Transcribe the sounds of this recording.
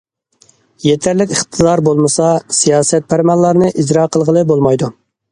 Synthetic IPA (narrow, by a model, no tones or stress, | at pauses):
jet̪ʰæɾlɪkʲəχt̪ʰɨd̪ɑɾbolˠmɨsɑsijɑːsɛt̪̚pʰæɾmɑlˠːɑɾnɨʔizɾɑqʰəlˠʁəlˠɨbolˠmɑjd̪u